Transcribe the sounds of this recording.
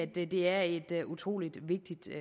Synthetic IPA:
æd̥d̥e̝æɐed̥ʔut͡sʰʁo̝̰ːlid̥ʋe̝ɡ̥̚d̥id̥

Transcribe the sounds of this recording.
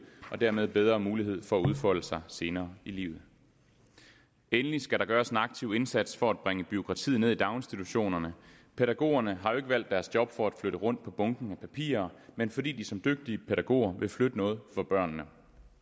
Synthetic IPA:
ɒ̽d̥æɐ̰með̞ˠb̥eð̞ˠʁɐːmuːliɦe̝ð̞̰ˠfɒ̽æuð̞ˠfɒ̽l̰əsɑ̈ɪse̝ːnɐːilḭːʊð̩ˠ | enəlisɡ̥æɾ̥ɑ̈ɡ̥ɶːɐsenɑ̈ɡ̥̚t͡sʰiʊ̰e̝nsæd̥sfɒ̽æd̥̚b̥ʁeŋəb̥iokʰʁɑ̈t͡sʰḭðˠne̝ðˠid̥ɑ̈ʊnsd̥i̥t͡sʰuɕo̝̰ːnɐnə | pʰe̝ɾæɡ̥o̝̰ːɐnəɦɑ̈jo̝e̝ɡ̥əʋæl̰d̥ːæɐsd̥jɒ̽b̥fɒ̽æd̥fløɾəʁɔ̽n̰d̥̚pʰɒ̽b̥ɔ̽ŋɡ̥n̩æpʰæpʰḭːɐmenfɒ̽dḭːd̥isɒ̽md̥øɡ̥̚d̥iəpʰeɾæɡ̥o̝̰ːɐʋʔe̝flød̥ənɔ̽ːð̞̩ˠfɒ̽b̥ɶɐ̰nːə

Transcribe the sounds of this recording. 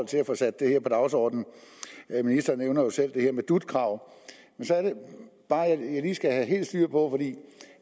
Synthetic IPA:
l̰t͡sʰe̝læfɒ̽sæd̥ːe̝heɐ̰pʰɒ̽d̥ɑ̈ʊsɒ̰ːd̥n̩ | minisd̥ɐneʊnɐjo̝sel̰d̥e̝e̝ɐmed̥ud̥kʰʁɑ̈ʊ̰ | mensɒ̽æɐɾe̝b̥ɑ̈ːæjɑ̈ɪliːsɡ̥æɦæɦe̝̰ːl̥sd̥yɐ̰pʰɒ̽fɒd̥ḭː

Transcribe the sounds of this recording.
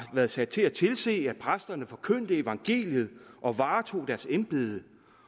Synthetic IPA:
ʋæɐð̞̩ˠsæd̥̚t͡sʰe̝æt͡sʰe̝lse̝̰ːæ̥pʰʁasd̥ɐnəfɒ̽kʰøn̰d̥əe̝ʋɑ̈ŋɡ̥e̝̰ːljəð̞̩ˠʔɒ̽ʋɑ̈ːt͡sʰo̝̰ːd̥æɐsemb̥e̝ð̞ˠə

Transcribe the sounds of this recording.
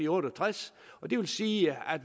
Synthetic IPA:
iɔɾ̥ət͡sʰʁas | ɒ̽d̥e̝ʋe̝lsiːæd̥

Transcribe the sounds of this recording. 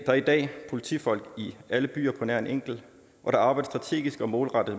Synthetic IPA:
d̥ɑ̈æɐid̥ɛ̰ːpʰo̝lit͡sʰifɒ̽l̰ɡ̥iæləb̥y̰ːɐpʰɒ̽næɐe̝neŋ̰ɡ̥l̩ | ʔɒ̽ɾ̥ɑ̈ɑ̈ːb̥ɑ̈ɪd̥əsd̥ʁɑ̈t͡sʰe̝̰ːɡ̥isɡ̥ɒ̽mɔːlʁɑ̈d̥ð̩ˠ

